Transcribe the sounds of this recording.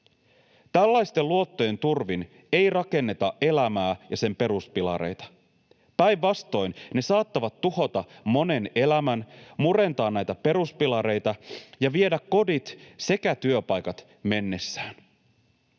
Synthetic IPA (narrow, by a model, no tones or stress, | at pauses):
t̪ælːæjst̪e̞lluo̞t̪ːoje̞nt̪urʋin | e̞jrɑke̞nːe̞t̪ɑʔe̞læmæːjɑse̞mpe̞ɾuspilɑ̰ɾe̞̰jt̪ɑ̥ | pæjʋːɑst̪o̞jnne̞sɑːt̪ːɑʋɑt̪ːuho̞t̪ɑmo̞ne̞ne̞læmænmuɾe̞nt̪ɑːnnæjt̪æpe̞ɾuspilɑɾe̞jt̪ɑjɑʋiedækkːo̞dit̪se̞kæt̪yøpɑjkɑt̪ | me̞nːe̞sːæːn